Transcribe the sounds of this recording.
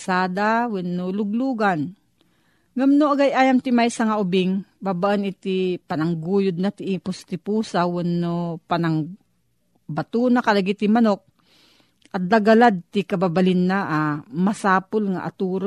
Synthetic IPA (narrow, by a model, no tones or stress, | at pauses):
saːd̪awɛnːolʊɡluːɡan | ŋamnoʔɐɡajʔaːjamt̪ɪmajsaŋaʔʊbɪŋbabaʔanɪt̪ipɐnaŋɡuːjʊd̪̚nat̪ɪʔipʊst̪ɪpuːsawɛnːopanɐŋ | bat̪unakɐlaɡit̪ɪmanok̚ | ʔɐt̪̚d̪aɡalad̪̚t̪ɪkɐbabalɪnːaʔamɐsaːpolŋa̰ʔa̰t̪uɾ